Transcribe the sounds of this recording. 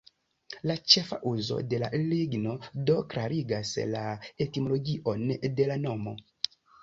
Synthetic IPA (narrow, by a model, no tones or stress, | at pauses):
lat͡ʃe̞fa̰ʔuzo̞̰de̞laliɡno̞do̞klaɾiɡaslae̞timo̞lo̞ɡiʔo̞nde̞lano̞mo̞̰